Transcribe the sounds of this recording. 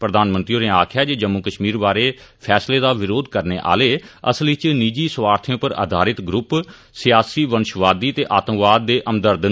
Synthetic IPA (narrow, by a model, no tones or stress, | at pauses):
pɾəd̪aːnmə̃nt̪ɾioːneːaːkʰjaːd͡ʒeːd͡ʒəmːuːkəʃmiːɾbaːɾeːpʰɛːsleːd̪aːʋɪɾoːd̪kəɾneːʔa̰ːleːə̰slɪt͡ʃniːd͡ʒiːsʋaːɾt̪ʰijõːpəɾa̰ːd̪ʱaːɾɪt̪ɡɾʊp | sɪjaːsiːʋənʃʋaːd̪iːt̪eːʔaːt̪ə̃ŋkʋaːd̪ːeːʔəmd̪əɾd̪